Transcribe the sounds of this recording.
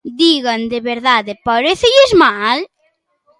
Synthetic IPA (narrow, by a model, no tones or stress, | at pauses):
d̪iɣand̪eβeɾðaðepaɾeθeʎezmal